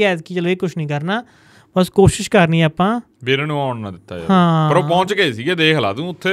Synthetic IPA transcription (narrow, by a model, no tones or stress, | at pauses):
ɛːd̪kiːt͡ʃəloːeːkʊt͡ʃʰnĩːkəɾnaː | bəskoːʃɪʃkəɾniːaːpãː | beːɾeːnũːaːɳnãːd̪ɪt̪ːa̰ːj̰ɦãːpəɾoːpɔ̃ːt͡ʃɡəiːsiːɡeːd̪eːkʰla̰ːt̪ũːʊt̪ʰːeː